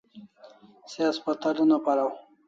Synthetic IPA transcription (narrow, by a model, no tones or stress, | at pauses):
seaspat̪alunapaɾaw